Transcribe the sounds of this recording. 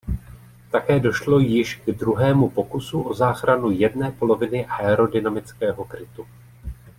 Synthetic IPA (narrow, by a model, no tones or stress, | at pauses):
t̪akɛːdo̞ʃlo̞jɪʃɡdɾuɦɛːmupo̞kusuʔo̞zaːxɾanujɛdnɛːpo̞lo̞vɪnɪʔaɛɾo̞dɪnamɪt͡skɛːɦo̞kɾɪt̪u